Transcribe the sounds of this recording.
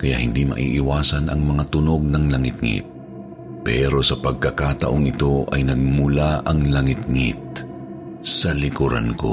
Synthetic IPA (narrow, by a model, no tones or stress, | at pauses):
kɐja̰ʔhɪnd̪imɐ̰ʔḭːʔɪwaːsɐnɐŋmɐŋat̪ʊno̞ɡ̚nɐŋlɐŋɪt̪̚ŋɪ̰t̪̚ | pɛɾo̞sɐpɐɡ̚kɐkat̪ɐʔoŋɪt̪o̞ʔɐjnɐɡ̚mʊlaʔɐŋlɐŋɪt̪̚ŋɪ̰t̪̚ | sɐlɪkʊɾa̰nko̰